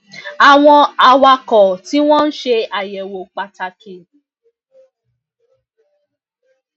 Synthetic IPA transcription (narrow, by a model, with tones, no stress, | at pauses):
a˨w̃ɔ̃˧a˨wa˧kɔ˨ti˨˦w̃ɔ̃˦n̩˦ʃe˧a˨jɛ˨wo˨k͡pa˨ta˨ke˨